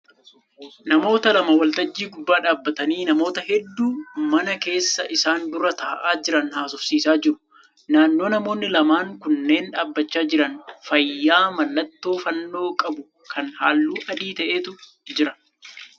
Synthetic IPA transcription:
nɐmo̞ːt̪ɐlɐmɐwɐlt̪ɐd͡ʒːiːɡʊbːaːᶑaːbːɐt̪ɐniːnɐmo̞ːt̪ɐɦɛd̪ːuːmɐnɐke̞ːsːɐʔɪsaːnd̪ʊɾɐt̪aːʔaːd͡ʒɪɾɐnhaːsʊfsiːsaːd͡ʒɪɾʊ̥ | naːnːo̞ːnɐmo̞ːnːɪlɐmaːŋkʊnːe̞ːnᶑaːbːɐt͡ʃːaːd͡ʒɪɾɐnfɐjːaːmɐlːɐt̪ːo̞ːfɐnːo̞ːkʼɐbʊ | kʰɐnhaːlːuːʔɐd̪iːt̪ɐʔeːt̪ʊ | d͡ʒɪɾɐn

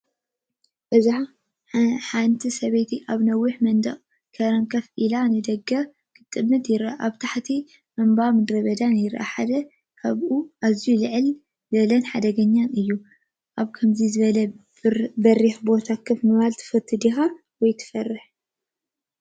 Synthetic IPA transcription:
bɐzaħa | ħant̪ʰisɐβejt̪ʰiʔaβnɐwːɨħmɐnd̪ɐ̰χʼ | kʰɐɾɐŋkʰɐfʔilanɨd̪ɐɡɐ | kʰɨt̪ʼːɨmːɨt̪jɪɾaʔaβt̪ʰaħt̪ʰi | ʔɐmbamɨd̪ɾɐβɐd̪anjɪɾʔa̰ħad̪ɐ | kʰɐβʔuazijulɨʕɨl | zɐlɐnħad̪ɐɡɐɲːanɨjːu | ʔaβkʰɐmzizɨβɐlɐ | bɐriħbo̞t̪ʰakʰɨfmɨβalt̪ʰɨ̥fɐt̪ʰːɨd̪ixa | wɔjt̪ʰɨ̥fɐrɨħ

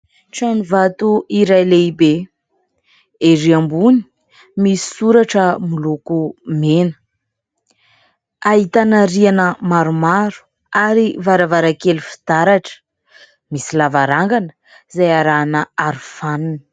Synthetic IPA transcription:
t͡sanivat̪uiɾajleibe | eɾiambuni̥ | misi̥suɾaʈ͡ʂəmulukumenə̥ | aɦit̪anəɾianəmaɾumaɾu̥ | aɾivaɾavaɾakelufi̥t̪aɾaʈ͡ʂə̥ | misilavaɾaŋɡanə̥ | zajaɾanəaɾufanuni̥

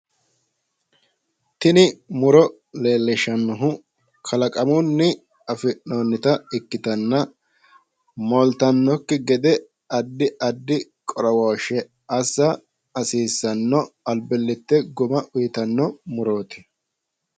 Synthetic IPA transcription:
t̪ɪnɪmʊɾɔ | leːlːɪʃɐnːɔɦʊ | kʰɐlɐkʼɐmʊnːɪ | ɐfɪnoːnːɪt̪ɐɪkːɪt̪ɐnːɐ | mɔlt̪ɐnːɔkːɪɡɛd̪ɛ | ɐd̪ːɪʔɐd̪ːɪ | kʼɔɾɔwoːʃɛ | ɐsːɐ | ɐsiːsːɐnːɔɐlbɛlːɪt̪ːɛɡʊmɐʔʊjɪt̪ɐnːɔmʊɾo̞ːt̪ɪ̥

